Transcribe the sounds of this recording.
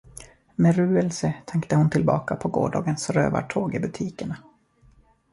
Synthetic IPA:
mɛɾʉ̟ːɛlsət̪ʰɛŋkt̪əhʊnt̪ʰɪlbɑ̰ːkapʰɔɡo̰ːɖɑːɡənsɾø̰ːva̰ʈʰoːɡɪbɵt̪ʰiːkəɳa

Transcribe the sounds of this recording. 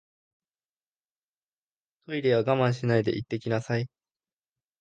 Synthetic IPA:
t̪ʰo̞iɾe̞βaɡamãɰ̃ɕinaid̪e̞ʔit̪ːe̞kʲinasai

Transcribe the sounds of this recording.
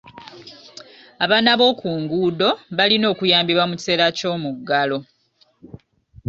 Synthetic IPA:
aβaːnaβo̞ːkuːŋɡuːdo̞βalino̞ːkujaːmbiβwamuci̥se̞ːlaco̞ːmuɡːalo̞

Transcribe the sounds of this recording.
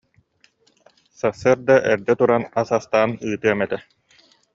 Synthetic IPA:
sasːɯɾd̪aʔɛɾd̪ɛt̪uɾanasast̪aːnɯːt̪ɯɐmɛt̪ɛ

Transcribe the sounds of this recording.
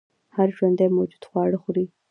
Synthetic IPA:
haɾʒwand̪ajmawd͡ʒud̪̥xwɑɽəxɾi

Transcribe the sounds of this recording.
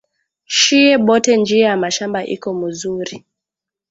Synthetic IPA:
ʃiɛɓɔtɛnd͡ʒiajamaʃambaʔḭkɔmuzuɾi

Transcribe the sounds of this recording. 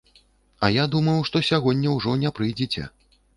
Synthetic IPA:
ɐjad̪umɐjwʂt̪ɔsʲaɣɔnʲːɐwʐɔnʲɛpɾɨjd͡zʲɛt͡sʲɛ̰

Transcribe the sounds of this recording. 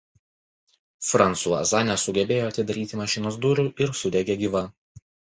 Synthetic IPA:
fɾɐnt̪suɐ̰sɑːnʲɛsʊɡʲɛbʲeːjoːɐt̪ʲɪd̪ɐɾʲiːt̪ʲimɐʃʲɪnoːsd̪ʊɾʲʊˑʔɪɾsʊd̪ʲɛɡʲeːɡʲiːʋɐ

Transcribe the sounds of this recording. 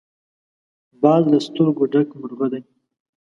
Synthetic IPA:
bɑːzlast̪ʊɾɡoɖakmʊɾɣod̪aj

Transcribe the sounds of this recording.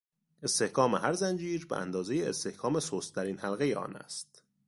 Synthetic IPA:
e̞st̪e̞hkʰɒːmeɦæɾzænd͡ʒiːɾbeʔæ̰nd̪ɒːzejeːst̪e̞hkʰɒːme̞soːst̪ʰːæɾiːnhælɣe̞jeʔɒ̰ːnæ̰st̪

